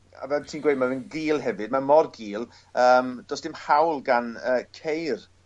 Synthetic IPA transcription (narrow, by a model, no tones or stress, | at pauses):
a̰vɛtʰiːnɡwejd̚mavənɡiːlˠɦɛvɨd̚mamɔrɡiːlˠ | əːmd̥ɔsd̥ɪmhawlˠɡanəːkʰejr